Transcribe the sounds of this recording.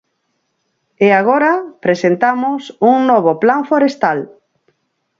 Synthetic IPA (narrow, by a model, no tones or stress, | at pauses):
eaɣ̞oɾapɾesent̪amʊsuŋnɔβoplaɱfoɾest̪al